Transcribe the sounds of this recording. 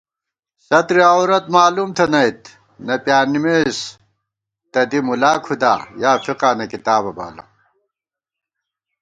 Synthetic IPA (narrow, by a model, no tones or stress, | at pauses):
sɐt̪ɾiɐwɾɐt̪maːlumt̪ʰɐnɐjt̪ | nɐpjaːnimeːs | t̪ɐd̪imulaːkʰud̪a̰ːjaːfiqaːnɐkit̪aːbɐba̰ːlɐ̰